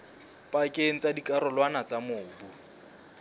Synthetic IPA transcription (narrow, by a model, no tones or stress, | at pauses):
pʼakʼeŋ̩t͡sʼadikʼaɾʊlwanat͡samʊːbu